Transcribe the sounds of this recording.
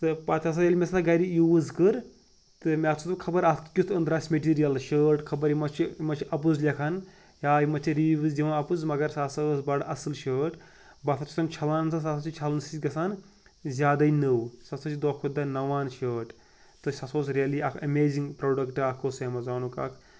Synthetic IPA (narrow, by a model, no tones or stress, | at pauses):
t̪ɨpɐt̪ʲʰɐs̬ɐjɐlʲimʲesɐaɡɐɾijuːzkɨɾ | t̪ɨmʲat͡sʰut̪kʰɐbɐɾɐt̪kʲust̪ʰɐ̃nd̪ɾaːsʲmʲeʈ̬iːɾijɐlʃəːʈkʰɐbɐɾimɐt͡ʃʰimɐt͡ʃʰiʔɐpuzlʲɐkʰɐn | jaːimɐt͡ʃʰiɾiiʋɨzd̪ʲiʋãnɐpuzmɐɡɐɾsasɐːsbɐɖɐsɨlʃəːʈ | bɐt̪ʰɐt͡ʃʰu̥sʰɐnt͡ʃʰɐlaːnsɐs̬asɐt͡ʃʰit͡ʃʰɐlnsiɡɐsaːn | zʲaːd̪ɐinəwsɐsɐt͡ʃʰid̪oːkʰud̪ɐnɐʋaːnʃəːʈ | t̪ɨʃɐsoːsɾijɐliɐkʰɐmeːziŋɡpɾoːɖɐkʈɨɐkʰoːsɐmɐzaːnuka̰kʰ